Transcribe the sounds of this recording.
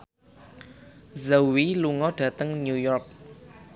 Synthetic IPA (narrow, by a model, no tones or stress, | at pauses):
zawiluŋɔɖ̥ä̤t̪əŋɲujɔrk̚